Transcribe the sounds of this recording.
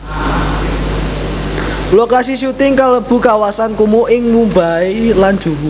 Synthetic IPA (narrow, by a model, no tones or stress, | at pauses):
lokasisut̪ɪŋkaləb̥ṳkawasankumoʔɪŋmumbailand̥ʒ̥uwu